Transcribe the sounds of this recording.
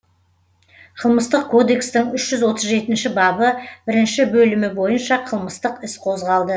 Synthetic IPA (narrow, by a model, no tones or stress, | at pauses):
qʰəlˠməst̪əq̚kʰo̞d̪e̞kst̪ɪŋʏʃʒ̥ʏzwo̞t̪əzʒe̞t̪ɪnʃɪbɑbəbɪɾɪnʃɪbɵlɪmɪbo̞jənʃɑqʰəlˠməst̪əqɪsqʰo̞zʁɑlˠd̪ə